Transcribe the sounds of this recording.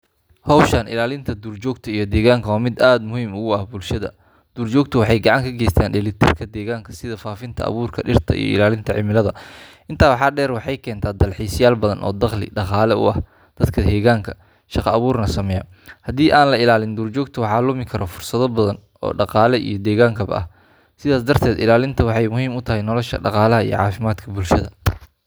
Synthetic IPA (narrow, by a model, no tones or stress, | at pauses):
hɔwʃɐnɪ̰laːlɪnt̪ʰɐd̪uːrt͡ʃɔːɡt̪ʰɐijɞd̪ɛːɣaːŋkʰɐwaːmɪd̪aːd̪mʊhiːmʊʊɐhbʊlʃɐðɐ̰ | d̪̥uːrt͡ʃɔːɡ̚t̪ʰɐwɑħɑjɡɑʕɑŋkʰɐɡɛːjst̪ʰaːnɖɛlit̪ʰɪrkʰɐd̪ɛːɣaːŋkʰɐ̥sɪðɐfaːfɪnt̪ʰɐ̰ʔɐ̰βuːrkʰɐɖɪrt̪ʰɐ̰ḭjɔ̰ɪ̰laːlɪnt̪ʰɐʕɪmɪlɐðɐʔɪnt̪ʰaːwɑħɑːɖɛːrwɑħɑjkʰɛːnt̪ʰaːd̪ɐlħiːsjaːlbɐðɐnʔɔ̰ːd̪ɐχlɪ̰ɖɑqɑːlɛʊ̰ʔɐh | d̪̥ɐd̪kʰɐhɛːɣaːŋkʰɐ | ʃɑqɑːβuːrnɐsɐmɛjɐ | hɐd̪iːʔaːnlɐɪlaːlɪnd̪uːrt͡ʃɔːɡ̚t̪ʰɐwɑħɑːlʊmɪkʰɐɾɔfʊrsɐðɔbɐðɐn | ɔ̰ːɖɑqɑːlɛʔḭjɞd̪ɛːɣaːŋkʰɐbɐ̰ʔɐ̰h | sɪðaːsd̪ɐrt̪ʰɛːd̪ɪlaːlɪnt̪ʰɐwɑħɑjmʊɦiːmʊt̪ʰɐɦɛjnɔlɔʃɐ̰ɖɑqɑːlɐɦɐijɞ̰ʕɑ̰ːfɪmaːd̪kʰɐbʊlʃɐðɐ